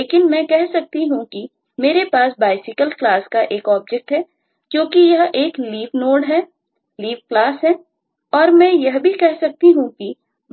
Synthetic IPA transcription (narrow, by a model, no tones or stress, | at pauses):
leːkɪnmɛ̃kɛɦsɐk̚t̪iɦũki | meːɾepaːsbaːɪsɪkəlklaːskaʔeːkɔːb̚d͡ʒɛk̚ʈɦɛː | kjõːkijɐɦeːkliːʋnoːɖɦɛː | liːʋklaːsɦɛ̃ː | ɔːɾmɛ̃ːjɐɦbʱikɛɦsɐk̚t̪iɦũki